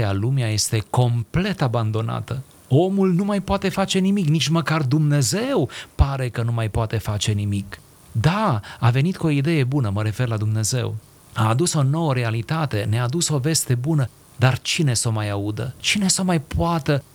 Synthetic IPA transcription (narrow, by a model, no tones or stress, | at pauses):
alumeaje̞st̪e̞ko̞mple̞t̪aband̪o̞na̰t̪ə | o̞mulnumajpoat̪e̞fat͡ʃe̞nimiknit͡ʃməkard̪umne̞ze̞wpaɾe̞kənumajpoat̪efat͡ʃe̞nimik | d̪aave̞nit̪koid̪e̞je̞bunəməɾe̞fe̞rlad̪umne̞ze̞̰w | aːd̪uso̞no̞wəɾe̞alit̪at̪e̞neaːd̪uso̞ve̞st̪e̞bunə | d̪art͡ʃine̞so̞majaud̪ə̰t͡ʃine̞somajpoat̪ə